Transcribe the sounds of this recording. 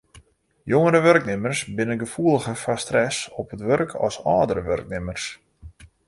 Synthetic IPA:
joŋəɾəʋørknɪmərsbɪnənɡəfuəlˠəɣəfastrɛsɔpətʋørkʰɔ̰sɔːdəɾəʋø̰rk̚nɪmərs

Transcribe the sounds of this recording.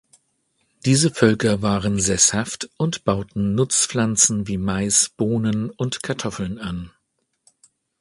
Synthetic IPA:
d̥iːzəfœlkɐvaːʁənzɛshaftʔʊntb̥aʊtn̩nʊt͡sflant͡sn̩viːmaɪsb̥oːnənʊntkʰaɐtʰɔfl̩nan

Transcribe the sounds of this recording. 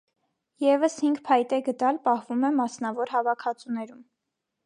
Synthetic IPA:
jɛvəshiŋɡpʰɑjt̪ɛɡət̪ɑlpɑhvumɛmɑsn̪ɑvɔɾɦɑvɑkʰɑt͡sunɛɾum

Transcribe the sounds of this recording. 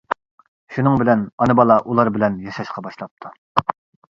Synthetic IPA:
ʃunɨŋbɪlɛnɑnɨbɑlˠɑʔulˠɑɾbɪlɛnjɑʃɑʃqʰɑbɑʃlˠɑp̚t̪ʰu

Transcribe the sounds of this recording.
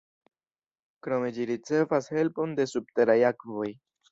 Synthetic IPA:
kɾo̞me̞d͡ʒiɾit͡se̞vashe̞lpo̞nde̞sub̚te̞ɾajakvo̞j

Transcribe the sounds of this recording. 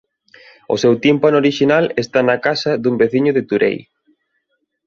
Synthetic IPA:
o̰sewt̪impanoɾiʃinalest̪anakasɐðumbeθiɲʊðɪt̪uɾḛj

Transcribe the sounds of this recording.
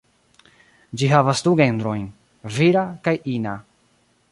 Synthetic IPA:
d͡ʒiɦavasduɡe̞nd̪ɾo̞jn | viɾakajina

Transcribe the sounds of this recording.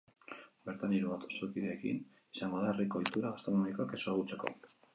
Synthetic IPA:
be̞ɾt̪aniɾuβat̪o̥sokiðeːkḭn | esaŋɡo̞ðaeriko̞ːjt̪uɾaɣast̪ɾonomiko̞akesoaɣut͡seko̞̰

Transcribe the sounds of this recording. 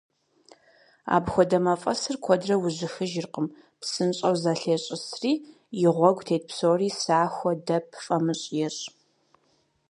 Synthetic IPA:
a̰ːbxʷɔdɐmɐfʼɐsɨrkʷʰɔdrɐwʊʑɪxɨʒɪrqəm | psɨnɕʼɐwzaɬeːɕʼɪsriː | jɪʁʷɔɡʷtʰeːt̚pʰsoːriːsaːxʷɔdɐpʰfʼɐmɨɕʼjɛɕʼ

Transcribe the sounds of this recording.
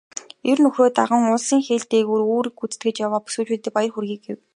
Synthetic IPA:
ernɵxroːt̪aʁə̆ŋʊsiːŋxeːɮt̪eːɣuːroːɾĭkut͡sɘ̥̆t̪̚ɡɘ̆t͡ɕjawaːpu̥suːɮt͡ɕuːɮt̪ĕk̚pajə̆rxurɣʲiːk̚ɡew

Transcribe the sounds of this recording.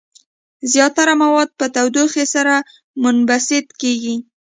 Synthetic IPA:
zjɑt̪aɾamawɑd̪̚pət̪awd̪oxesaɾa | mʊnbasɪd̪keɡi

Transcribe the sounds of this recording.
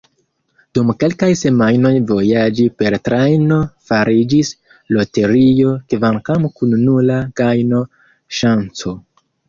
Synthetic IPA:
d̥umke̞lkajse̞majno̞jvo̞jad͡ʒipe̞ɾtɾajno̞faɾid͡ʒis | lo̞te̞ɾio̞kvaŋkamkunːulaɡajno̞ | ʃant͡so

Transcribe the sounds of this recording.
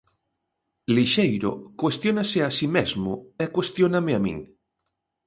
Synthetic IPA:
liʃejɾo̰kwest̪jonaseasimezmoekwest̪jonameamḭ̃ŋ

